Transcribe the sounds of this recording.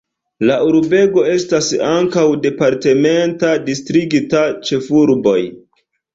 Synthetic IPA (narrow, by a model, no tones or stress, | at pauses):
laʔuɾbe̞ɡo̞e̞stasaŋkawde̞paɾte̞me̞ntadistɾiɡitat͡ʃe̞fuɾbo̞̰j